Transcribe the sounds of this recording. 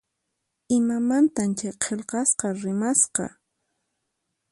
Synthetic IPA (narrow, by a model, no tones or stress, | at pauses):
ɪmamant̪amt͡ʃajqʰelqɑsqɑɾɪmasqɑ̰